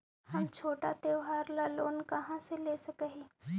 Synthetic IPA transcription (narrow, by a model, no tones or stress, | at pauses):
hɐmt͡ʃʰoːʈat̪eːwɦaːɾlaloːnkɐɦãseleːsɐkeɦeː